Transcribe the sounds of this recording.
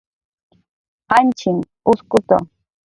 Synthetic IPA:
hant͡ʃɪm | ʊskʊt̪a̰

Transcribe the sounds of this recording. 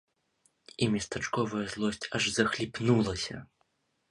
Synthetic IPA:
imʲɛst̪at͡ʂkɔvɐjɐzlˠɔsʲt͡sʲɐʐzɐxlʲipnulˠɐsʲɐ̰

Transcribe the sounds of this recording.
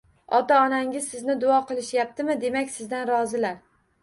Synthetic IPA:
ɒt̪aɒnaŋʲɪzsɪznɪd̪ʊɒqɨlˠɪʃjap̚t̪ʰɪmɪd̪e̞makʲsɪzd̪anɾɒzɪlaɾ

